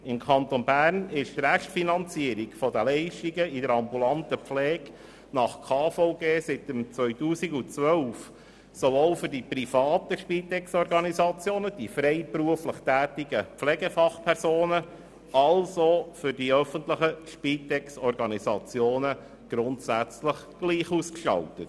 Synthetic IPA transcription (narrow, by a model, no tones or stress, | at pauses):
ɪmkʰɑnt̪onbæːrnɪʃtɾæʃtfinɑnt͡siəɾikfɔd̪əlɛɪʃtiɡəidəɾɑmbulɑnt̪əflɛːɡ | nɑχkʰɑːfoʊɡeːsɪt̪əmt͡sʋœʏɥt̪uːsiɡut͡sʋœlf | sovoːlfʏɾdipɾifɑːt̪əʃpiːt̪ɛksɔɾɡɑnisɑt͡sjoːnəd̥ifɾɛɪpɾuəfləχtæːt̪iɡəpflɛɡəfɑχpʰɛɾzoːnə | ɑlsofʏɾdiœfənt̪ləχəʃpit̪ɛksɔrɡɑnisɑt͡sjoːnə | ɡ̥ɾʊnt̪sæt͡sləχ | ɡ̥liːχuːskʃɑ̰lt̪ət